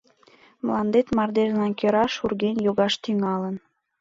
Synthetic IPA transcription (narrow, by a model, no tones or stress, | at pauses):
mlɑnd̪et̪mɑrd̪eʒlɑnkʲøɾɑʃurɣenjoɣɑʃt̪yŋɑlən